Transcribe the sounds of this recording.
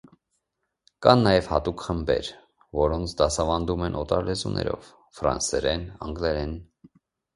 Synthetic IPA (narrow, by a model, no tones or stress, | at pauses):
kɑnːɑjɛvhɑt̪ukχəmbɛ̰ɾ | vɔɾɔnt͡sʰd̪ɑsɑvɑnd̪umɛnʔɔt̪ɑɾlɛzunʔɛ̰ɾɔ̰v | fɾɑ̰nsɛɾɛnɑŋɡlɛɾɛn